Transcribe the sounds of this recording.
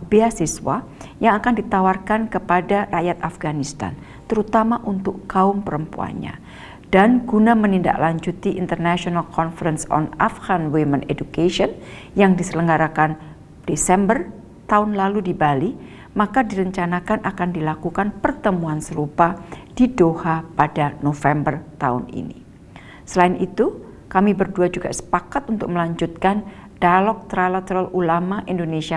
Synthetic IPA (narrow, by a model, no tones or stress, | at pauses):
beasiswa̰ | jaŋakandit̪awarkankəpadaraʔjat̪afɡanist̪a̰n | t̪əɾut̪amaʔunt̪ʊkaʊmpəɾəmpua̰nɲa̰ | d̥anɡunaməninda̰ʔlaɲd͡ʒut̪iʔint̪ərnaʃɔnalkɔnfəɾənsɔ̰nafɡanwimənedukeʃiɔn | jaŋdisələŋɡaɾakan | d̥esɛmbər | t̪aʊnlaludibali | makadiɾəɲt͡ʃanakanʔakandilakukanpərt̪əmuansəɾupad̥idohapadanofɛmbərt̪a̰ʊ̰nḭnḭ | səlaɪnʔit̪u | kamibərduad͡ʒuɡa̰sə̥pakat̪̚unt̪ʊk̚məlaɲd͡ʒut̪̚kan | d̥alɔk̚t̪ɾalat̪əɾalulamaʔindonesia